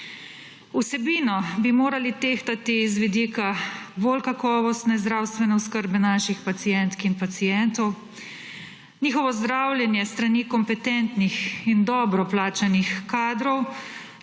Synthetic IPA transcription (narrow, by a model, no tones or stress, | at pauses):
usɛbiːnɔbimoːɾalit̪eːxt̪at̪izʋid̪iːkabolkakɔːʋɔst̪nɛzd̪ɾaːwst̪ʋɛnɛɔskəɾbɛnaːʃixpat̪sijɛnt̪kinpat̪sijɛnt̪ɔw | nʲiːxɔʋɔzd̪ɾawljɛnjɛst̪ɾaniːkɔmpɛt̪ɛnt̪nixind̪ɔːbɾɔplaːt͡ʃanixkːaːd̪ɾɔw